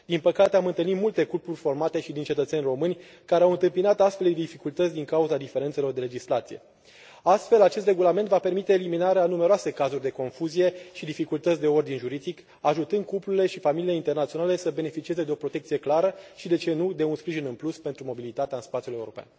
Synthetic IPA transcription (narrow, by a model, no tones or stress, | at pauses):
d̪̥inpəkat̪e̞amɨnt̪ɨlnit̪mult̪e̞kupurʲfo̞rmat̪e̞ʃid̪int͡ʃe̞t̪ət̪senʲro̞mɨnʲ | kaɾeawɨnt̪ɨmpinat̪ast̪fe̞ld̪ed̪ifikult̪ət̪sʲd̪iŋkauzad̪ife̞ɾet̪se̞lo̞rd̪e̞le̞d͡ʒislat̪sije̞̰ | ast̪fe̞lat͡ʃe̞st̪re̞ɡulament̪vape̞rmit̪e̞ːliminaɾeanume̞ɾoase̞kazurʲd̪e̞ko̞nfuzije̞ʃid̪ifikult̪ət̪sʲd̪e̞o̞rd̪inʒuɾid̪ik | aʒut̪ɨnd̪̚kupluɾile̞ʃifamilile̞int̪e̞rnat̪sio̞nale̞səbe̞ne̞fit͡ʃieze̞d̪e̞o̞pɾo̞t̪e̞kt̪sije̞klaɾəʃid̪e̞t͡ʃe̞nud̪e̞unspɾiʒinɨnpluspe̞nt̪ɾumo̞bilit̪at̪eaɨnspat̪sʲjulje̞uɾo̞̰pea̰n